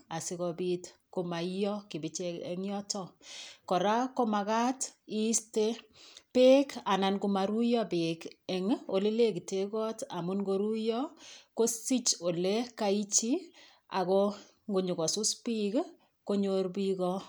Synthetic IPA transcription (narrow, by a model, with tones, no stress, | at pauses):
a˨sɪ˦kɔ˨bi˦t | ko˨ma˨jɔ˦kɪ˨bɪ˦t͡ʃɛ˦ɛ̰˦ŋjɔ˦tɔ˦kɔ˨ɾa˦ko˦ma˨ka˦ti˦ste˦pe˦ka˨na˨nku˨ma˨ɾu˦jɔ˦bɪ˨kɛ˨ŋo˨le˦le˦ki˨te˦kɔ˦ta˨mʊ˦nɡo˦ɾu˦jɔ˦ko˦si˦t͡ʃo˨le˦ka˦i˦t͡ʃi˦ | a̰˨kɔ˦ | ŋɡu˨ɲu˨kɔ˨su˦spi˦k | ko˦ɲo˦ɾbi˦kɔ˦